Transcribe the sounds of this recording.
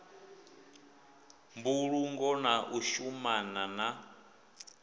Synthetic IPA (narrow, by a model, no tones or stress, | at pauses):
mbuɺuŋɡɔnaʔuʃumanana